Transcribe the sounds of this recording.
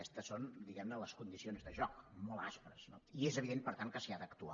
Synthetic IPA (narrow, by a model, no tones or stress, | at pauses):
ɛst̪əsond̪iɣɛmnələskund̪isionzðəʒɔkmɔlˠa̰spɾəz̥noiezəβ̞iðenpəɾt̪aŋkəsiad̪əkt̪ua